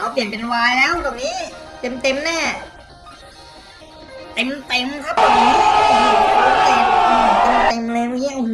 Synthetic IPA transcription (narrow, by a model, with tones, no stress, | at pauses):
ʔa˧wpi˨˩ənpe˧nwaː˧jlɛː˦˥˩wt̪u˨˩kniː˦˥t̪e˧mt̪e˧mnɛː˥˩ | t̪e˧mt̪e˧mkʰa˦˥p̚oː˧˨˩i˦˥˧a˧˥t̪e˧ma˧a˨˩˦t̪e˧mt̪e˧mlɛː˧wma˧ŋi˦˥ʔ